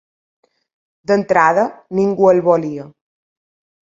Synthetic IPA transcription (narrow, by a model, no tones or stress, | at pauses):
d̪ənt̪ɾaðəniŋɡuəlβɔliə